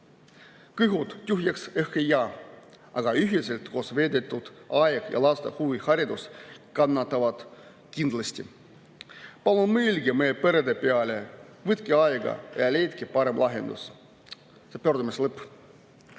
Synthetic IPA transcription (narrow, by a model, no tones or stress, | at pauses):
kɨjɦut̪t̪ʲuɦjɑksehkejːɑː | ɑɡ̥ɑyɦiselt̪kosve̞ːd̪et̪ːˑud̪̥ɑjɡ̥jɑ̰lɑst̪ehuvihɑɾʲid̪uskɑnːɑt̪ːˑɑvɑd̪̥ | kind̪lɑsʲt̪ʲḭ | pɑlunmelʲɡimejpeɾed̪epeɑlʲe | vɨt̪keɑjɡɑ̰jɑlʲejt̪kipɑɾemlʔɑɦḛnd̪̥ṵs | sepørd̪umislɤpː